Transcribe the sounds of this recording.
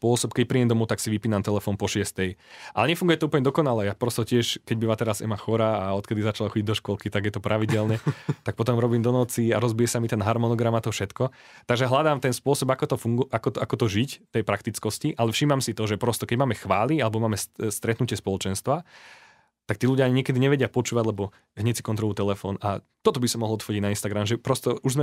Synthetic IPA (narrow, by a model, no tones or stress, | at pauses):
spʊɔsɔpkɛc̚pɾiɛmd̪ɔmɔt̪aksiʋipiːnamt̪ɛlɛfɔːnpɔʃɪɛst̪ɛjʔa̰lɛɲɛfuŋɡujɛt̪ɔuːpl̩ɲɛd̪ɔkɔnalɛapɾɔst̪ɔcɪɛʃkɛɟ̚biʋaːt̪ɛɾazɛ̰maxɔɾaːɔt̪kɛd̪izat͡ʃalaxɔɟiɟd̪ɔʃkɔlkit̪aɡjɛt̪ɔpɾaʋiɟɛlɲɛt̪ak̚pɔt̪ɔmɾɔbiːmd̪ɔnɔt͡siaɾɔzbijɛsamit̪ɛnɦaɾmɔnɔɡɾamat̪ɔfʃɛt̪kɔ | t̪aɡʒɛɦlad̪aːmt̪ɛnspʊɔsɔbakɔt̪ɔfuŋɡʔakɔakɔt̪ɔʒicft̪ɛjpɾakt̪it͡skɔsciʔalɛfʃimamsit̪ɔʒɛpɾɔst̪ɔkɛɟmaːmɛxʋaːlialɛbɔmaːmɛsst̪ɾɛt̪nucɪɛspɔlˠɔt͡ʃɛnst̪ʋa | t̪akt̪iːluɟjaaɲiɲɪɛkɛd̪iɲɛʋɛɟɪapɔt͡ʃuːʋaɟlɛbɔ | ɦɲɛcsikɔnt̪ɾɔlut̪ɛlɛfɔ̰na | t̪ɔt̪ɔbisɔmɔɦlˠɔt̪fɔɟiɟnainst̪aɡɾamʒɛpɾɔst̪ɔuʒzmɛ